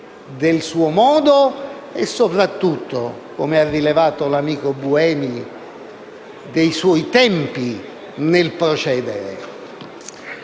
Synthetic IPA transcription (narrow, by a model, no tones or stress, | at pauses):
d̪elsuːomɔːd̪o | esːopɾat̪ːut̪ːo̰ | komearːilevaːt̪olamiːkobuɛːmi | d̪ejswɔjt̪ɛmpi | nelpɾot͡ʃɛːd̪eɾḛ